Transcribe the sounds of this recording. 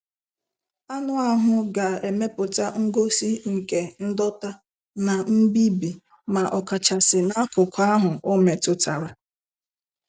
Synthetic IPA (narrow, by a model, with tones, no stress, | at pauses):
a˦nʊ˦a˦ɦʊ˨ɡa˨e˨me˦pʊ˨ta˦ŋ̩˦ɡo˦si˦ŋ̩˨ke˨n̩˦dɔ˦ta˦ | na˨m̩˦bi˦bi˨ | ma˨ʔɔ˨ka˨t͡ʃa˨sɪ˨na˦kʊ˨ka˦ɦʊ˨o˦me˨tʊ˨ta˨ɾa˦